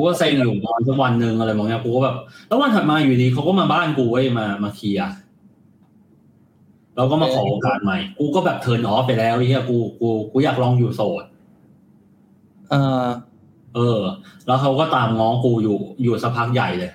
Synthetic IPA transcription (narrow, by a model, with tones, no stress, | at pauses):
kuː˧kɔː˥˩se˧njuː˨˩ŋɔː˧nsʰa˦˥k̚wa˧nːɯ˨˧ŋʔa˧ɾa˧jwɔː˨˩ŋni˦˥˩kuː˧kɔ˥˩bɛː˨˩p̚lɛ˦˥wa˧nhʰa˨˩maː˧juː˨˩niː˨˧kʰa˦˥wkɔː˥˩maː˧baː˥˩nkuː˧wa˥˩jmaː˧maː˧kʰiː˧a˨˧˩ʔ | ɾɛː˧˦˥wkɔː˥˩maː˧kʰɔː˩˦˧kaː˧˩nma˨˩jkuː˧kɔː˥˩bɛː˨˩p̚t̪ʰɤː˨˦nʔɔː˦˥pa˧jlɛː˦˥wʔi˧˦ŋi˦˧˩kuː˧kuː˧kuː˧˩jaː˨˩k̚lɔː˧ŋjuː˨˩soː˨˩t̪̚ | ʔɤː˧ | ʔɤː˧lɛː˦˥wkʰa˦˥wkɔː˥˩t̪aː˧mŋɔː˦˥kuː˧juː˨˩juː˨˩sa˦˥pʰa˦˥k̚ja˨˩jlɤː˧j